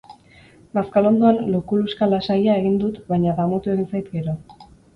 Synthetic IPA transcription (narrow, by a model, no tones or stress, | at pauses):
maskalo̞nd̪oanlokuluskalasajae̞ɣind̪ut̪βajɲaðamut̪ue̞ɣinsajt̪ɡe̞ɾo